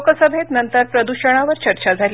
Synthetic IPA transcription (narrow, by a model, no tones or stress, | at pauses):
kəsəbʱet̪nənt̪əɾpɾəd̪uɕəɽ̃aʋəɾt͡ɕəɾt͡ɕad͡zʱali